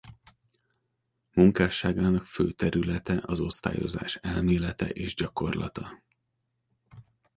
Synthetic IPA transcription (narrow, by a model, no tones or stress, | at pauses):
muŋkaːʃaːɡaːnɒkføːt̪ɛɾylɛt̪ɛʔɒzo̞st̪a̰ːjo̞̰za̰ːʃɛlmeːlɛt̪ɛ̰ʔeːʒɟɒko̞rlɒ̰t̪ɒ